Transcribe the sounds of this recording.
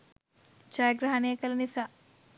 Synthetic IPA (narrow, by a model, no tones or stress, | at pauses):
t͡ʃajəɡɾaɦanejəkɐlɐnisaː